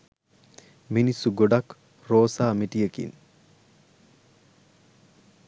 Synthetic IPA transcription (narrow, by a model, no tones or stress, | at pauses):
minisːuɡoɖak | roːsaːmiʈijəkḭn